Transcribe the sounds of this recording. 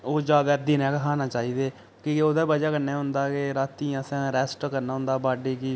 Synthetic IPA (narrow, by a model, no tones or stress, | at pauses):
oːd͡ʒaːd̪aːd̪iːnɛ̃ːkɦaːnaːt͡ʃaːiːd̪eː | kioːd̪aːbəd͡ʒaːkəɾneːɦʊ̃nd̪aːkeɾaːt̪ːiːãːsɛ̃ːɾɛːsʈkəɾnaːɦʊ̃nd̪aːbaːɖiːkiː